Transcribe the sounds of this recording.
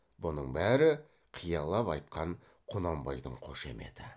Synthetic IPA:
bʊnəɴbæɾɪ | qʰijɑlˠɑpɑjt̪̚qʰɑɴ | qʰʊnɑmbɑjd̪əɴqʰo̞ʃe̞̰me̞̰d̪̥ɪ

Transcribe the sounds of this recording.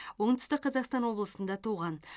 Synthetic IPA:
wo̞ɴt̪ʏst̪ɪqqʰːɑzɑqst̪ɑnwo̞blˠəsənd̪ɑt̪ʰuʁɑn

